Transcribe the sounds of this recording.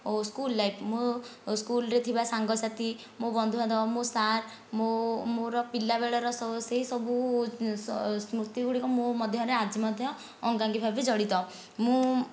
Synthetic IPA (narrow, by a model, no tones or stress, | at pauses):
oskulːajpʰmoskulɔɾet̪ʰibasaŋɡɔsat̪i | mobɔnd̪ʱuɦãd̪ɔmosaɾ | momoɾɔpilːabeɭɔɾɔsɔseɦisɔbussmɾut̪iɡuɽikɔmomɔd̪ʱjɔɾead͡ʒimɔd̪ʱjɔː | ŋɡaŋɡipʰabid͡ʒɔɽit̪ɔ | mũ